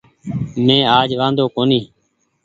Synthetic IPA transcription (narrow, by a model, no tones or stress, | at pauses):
mẽːaːd͡ʒʋãːnd̪oːkoːniː